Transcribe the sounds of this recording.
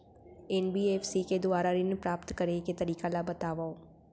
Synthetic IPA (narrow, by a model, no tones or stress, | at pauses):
ɛːnbiːeːpʰsiːked̪ʊaːɾaɾɪnpɾaːpt̪kəɾeket̪əɾiːkalabət̪aːʋaoː